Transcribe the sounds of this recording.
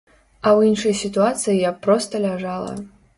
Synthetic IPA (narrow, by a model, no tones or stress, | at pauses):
ɐwinʂɐjsʲit̪uat̪sɨjijapːɾɔst̪ɐlʲaʐalˠɐ̰